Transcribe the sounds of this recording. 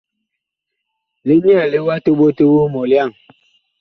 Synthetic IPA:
li˦ɲ˦ɛ˦˨li˨˦wa˦to˦ɓo˦tu˦wu˦mɔ˨lja˦˨ŋ

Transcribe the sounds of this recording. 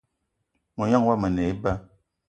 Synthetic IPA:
mo˨ɲa˦ŋwa˦mə˨nɛ˨i˦ba˦

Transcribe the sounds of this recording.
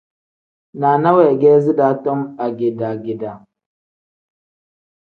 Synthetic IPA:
na˨na˦wɛ˨ɡɛ˦zi˦da˦tɔ˦ma˨ɡi˨da˨ɡi˨da˨

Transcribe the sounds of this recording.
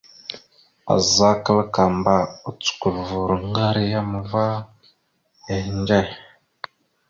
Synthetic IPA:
a̰˨za˦kə˦lka˨mba˨u˨t͡su̥˨ku˨lvu˨ɾŋɡa˦ɾi˦ja˦m˨va˦ | he˨nd͡ʒa˦˨j

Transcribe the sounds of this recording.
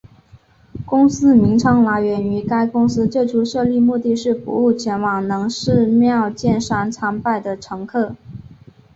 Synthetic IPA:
kʊ˥ŋsɹ̩˥mi˧˥ŋʈ͡ʂʰɑ˧˥ŋla˧˥ɪɥɛ˧˥ny˧˥ka˥ɪkʊ˥ŋsɹ̩˥ʈ͡ʂɤ˥˩ʈ͡ʂʰu˧˥ʂɤ˥˧li˥˧mu˥˧t̪i˥˧ʂɻ̩˥˩pṵ˧˥u˥˩t͡ɕʰjɛ˧˥nwɑ˨˩ŋnɤ˧˥ŋʂɻ̩˥˧mjɑ˥˧ʊt͡ɕjɛ˥˩nʂa˥nt͡sʰa˥ŋpa˥˩ɪd̪ə˩ʈ͡ʂʰɤ˧˥ŋkʰɤ˥˩

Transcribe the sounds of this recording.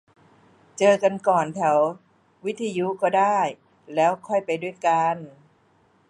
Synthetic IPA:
t͡ɕɤː˧ka˧nkɔː˨˩nt̪ʰɛ˩˦w | wi˦˥t̪ʰːa˧ju˦˥kɔː˥˩daː˥˩j | lɛː˦˥wkʰɔ˥˩jpa˧jdu˥˩əjka˧n

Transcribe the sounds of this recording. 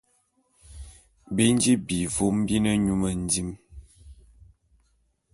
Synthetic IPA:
be˦n˦d͡ʒi˦bi˨vu˦m˦bi˦nə˦ɲu˦mə˨n˦di˦m

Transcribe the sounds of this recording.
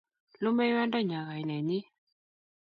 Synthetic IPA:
lʊ˦mɛ˦wa˦nda˦˨ɲa˨ɣa˨i˨nɛ˨ɲi˦

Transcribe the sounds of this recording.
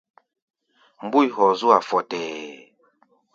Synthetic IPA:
m˦bu˦i˨˦hɔ˨zu˦a˨fɔ˨tɛː˨

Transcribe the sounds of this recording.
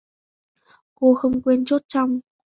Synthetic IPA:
ko˧xə˧wŋ͡mkwi˧nt͡ɕo˦˥t̚t͡ɕa˧wŋ͡m

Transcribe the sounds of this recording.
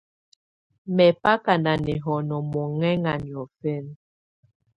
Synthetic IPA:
mɛ˨pa˦ka˨nda˨nɛ˨ɦɔ˨nɔ˨mɔ˨ŋɛ˦ŋa˨ni˨ɔ˨fɛ˦n

